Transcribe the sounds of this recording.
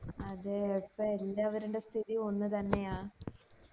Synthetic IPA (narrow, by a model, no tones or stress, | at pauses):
ɐðɨepːɐelːaːʋɐɾuɳɖe̞st̪ʰiðio̞nːɨt̪ɐnːe̞jaː